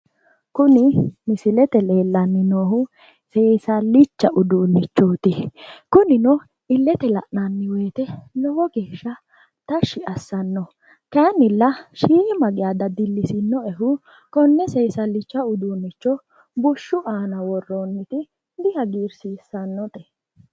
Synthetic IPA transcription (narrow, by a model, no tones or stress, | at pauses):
kʊnɪmɪsɪlɛt̪ɛle̞ːlːɐnːɪnoːhʊ | seːjsɐlɪt͡ʃːɐʔʊd̪uːnːɪt͡ʃːɔːt̪ɪkʊnɪnɔ | ɪlːɛt̪ɛlɐ̰ʔnɐnːɪwe̞ːt̪ɛlɔwɔɡeːʃːɐ | t̪ɐʃɪʔɐsːɐnːɔ | kɐnɪlːɐʃiːʔɪmɐɡɪjad̪ɐd̪ɪlːɪsɪnːɔɛɦʊ | kɔnːɛsejsɐlɪt͡ʃːɐʊd̪uːnːɪt͡ʃːɔ | bʊʃːʊʔaːnɐwɔrːoːnːɪt̪ɪ | d̪ɪhɐɡiːɾsiːsːɐnːɔt̪ɛ̥